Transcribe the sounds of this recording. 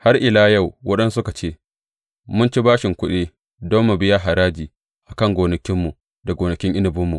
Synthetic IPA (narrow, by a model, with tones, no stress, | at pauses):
ha˦rʔɪ˨laː˦jɐ˦˨wwɐ˦ɗɐ˦nsʊ˦ka˨t͡ʃeː˦ | mʊ˦nt͡ʃi˦baː˦ʃɪ˨ŋkʷʊ˦ɗeː˦ | dɔ˦mːu˨bɪ˦ja˦ɦa˨ɾaː˦d͡ʒiː˨ | ʔa˨kɐ˦ŋɡʷoː˨nɐ˨kʲɪ˦mːu˨ | da˨ɡʷoː˨nɐ˨kʲɪ˦ŋʔɪ˦nɪ˨bʊ˦mːu˨